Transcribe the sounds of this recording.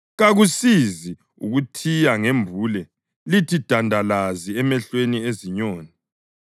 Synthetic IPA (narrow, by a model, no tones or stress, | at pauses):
ɣaɣusizi | ṵɣutʰijaŋembʱuːlɛ | litʰid̥ʱandʱalaziɛmɛɬwenieziɲoːni